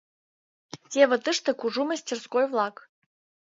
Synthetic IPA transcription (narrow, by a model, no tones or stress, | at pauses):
tʲevə̆t̪ɨʂt̪ə̆kuʐuməsʲtʲerskojvlˠɑk